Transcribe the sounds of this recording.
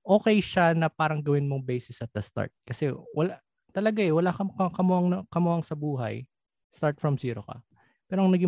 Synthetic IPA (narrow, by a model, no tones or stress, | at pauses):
ʔo̞ːkɛjʃanɐpaːɾɐŋɡɐwɪnmoŋbɛjsɪsɐt̪̚ɐst̪a̰ɹt̪̚kɐsɛwɐla | t̪ɐlɐɡaɛwɐlakɐkɐkɐmʊhɐŋnɐkɐmʊhɐŋsɐbuːɦɐ̰j | st̪aɹt̪fɹɐmsiːɾo̞̰kɐ̰ | pɛːɾoʔɐŋnɐɡi